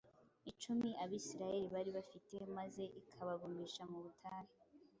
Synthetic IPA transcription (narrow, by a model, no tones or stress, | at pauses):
it͡ʃumiʔaβiːsiɾaje̞ɾiβaɾiβafitemaze̞ʔikʰaβaɡumiʃamuβutʰaːɾe